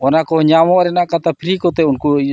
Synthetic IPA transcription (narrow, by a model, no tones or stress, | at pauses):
ɔnakɔɲamɔɾɛnakat̪apiɾikɔt̪ɛunku